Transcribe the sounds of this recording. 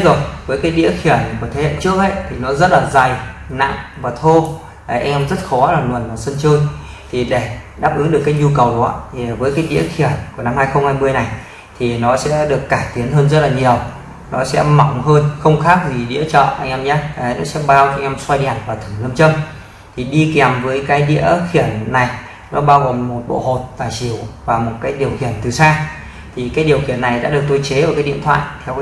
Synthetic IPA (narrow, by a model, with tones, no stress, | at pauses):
zu˨˩k̚vəː˨˦jkaː˨˦jɗḭ˧˥əxi˧˩ə˨˩jku˧˩ət̪ʰe˨˦hḛ˧˨nt͡ɕɨ˦˥ək̚ʔə̰˧˥jt̪ʰi˨˩nɔ˨˦zə˦˥t̚laː˨˩za˨˩jna̰˧˨ŋvaː˨˩t̪ʰo˧ | ʔʔa˧jŋ̟ʔɛ˧mzə˦˥t̚xɔ˨˦laː˨˩nu˨˩ənvaː˨˩sə˧nt͡ɕəː˧j | t̪ʰi˨˩ɗe˧˩ɗaː˦˥p̚ʔɨ˨˦ŋɗɨ˨˩əkːaː˨˦jɲu˧kə˨˩wka̰ː˧˨vəː˨˦jkaː˨˦jɗḭ˧˥əxi˧˩ə˨˩jku˧˩əna˧mhaː˧jxə˧wŋ͡mhaː˧jmɨ˧əjna˨˩j | t̪ʰi˨˩nɔ˨˦sɛ̰˧˥ɗɨ˨˩əkːaː˧˩jt̪i˨˦ənɦəː˧nzə˦˥t̚laː˨˩ɲi˨˩əw | nɔ˨˦sɛ̰˧˥mɔ˨˩˦wŋ͡mɦəː˧nxə˧wŋ͡mxaː˦˥k̚vi˨˩ɗḭ˧˥ət͡ɕɔ̰˧˨ʔa̰˧jŋʔɛ˧mɲaː˧˦ʔnɔ˨˦sɛ̰˧˥ɓaː˧wkɔ˨˧˦ŋʔɛ˧mswa˧jɗɛ˨˩n̚vaː˨˩t̪ʰɨ˧˩ŋə˧mt͡ɕə˧m | t̪ʰi˨˩ɗi˧kɛ˨˩mvəː˨˦jkaː˨˦jɗḭ˧˥əxi˧˩ənːa˨˩j | nɔ˨˦ɓaː˧wɣo˨˩mːo˨˩t̚ɓo̰˧˨ho˨˩t̚t̪aː˨˩jt͡ɕi˧˩əwvaː˨˩mo˨˩t̚kaː˨˦jɗi˨˩əwxi˧˩ənt̪ɨ˨˩saː˧ | t̪ʰi˨˩kaː˨˦jɗi˨˩əwxi˧˩ənːa˨˩jɗa̰ː˧˥ɗɨ˨˩ək̚t̪o˧jt͡ɕe˨˦ʔəː˨˧˩kaː˨˦jɗḭ˧˨ət̪ʰwa̰ː˧˨jt̪ʰɛ˧w